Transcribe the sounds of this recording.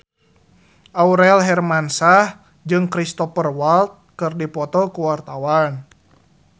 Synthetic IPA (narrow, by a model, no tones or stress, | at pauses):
ʔauɾɛlɦɛrmansah | d͡ʒɨŋkɾist̪ɔfərwalt̪̚kɨrdipɔt̪ɔkuwart̪awan